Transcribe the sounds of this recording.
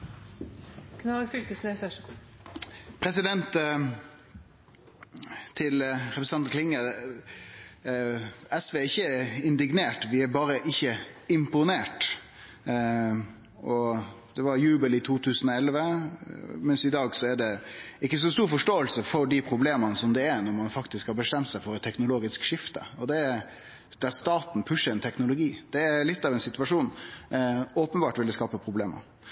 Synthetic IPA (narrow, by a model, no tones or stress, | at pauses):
kʰnɑfʏlk̪əsneːsɑʂ | pʰɾɛsɪd̪ɛnt̪ | t̪ʰːɪlɾɛpɾɛsɑnt̪kʰlɪŋə | ɛsʋeːɪçːəɪnd̪ɪɡneːʈʋɪæbɑːɾəʔɪçːəɪmpʊneːʈ | ʔɔ | d̪̥ɛʋɑɾjʉːbəlɪt̪ʰuːt̪ʰʉːsənɔɛlʋə | mɛnsɪd̪ɑːɡsɔæɖɛɪkːəs̬ɔst̪uːɾfɔʂʈoːəlsəfɔɾɖɪpʰɾʊbleːmənəsɔmd̪ɛæɾnɔɾmɑnfɑkt̪ɪskhɑɾbəst̪ɛmt̪sæɪfɔɾɛt̪ʰːɛknʊloːɡɪskʂɪft̪ə̰ɔd̪ɛ | d̪̥æɾst̪ɑːt̪npʰʉʂːəɾɛnt̪ʰɛknʊlʊɡiːd̪̥ɛːɾlɪt̪ːɑʋɛnsɪt̪ʉʋɑʂuːn | oːpənbɑːʈʋɪlːəskɑːpəpʰɾʊbleːmə̰ɾ